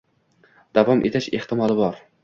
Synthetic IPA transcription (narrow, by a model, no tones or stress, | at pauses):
d̪̥avɒmʔḛt̪ʰaʃeht̪ɪmɒlˠɪbɒɾ